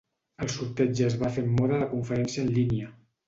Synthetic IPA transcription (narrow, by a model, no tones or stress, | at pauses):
əlˠsuɾt̪ɛd͡ʒəːzβafeɾmːɔɾələkuɱfəɾɛnsijəːnliniə